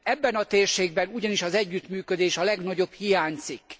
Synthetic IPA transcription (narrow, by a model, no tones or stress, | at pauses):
ɛbːɛnɒt̪eːrʃeːɡbɛnuɟɒniʃɒzɛɟːyt̪myːkød̪eːʃɒlɛɡnɒɟo̞bhijaːɲzik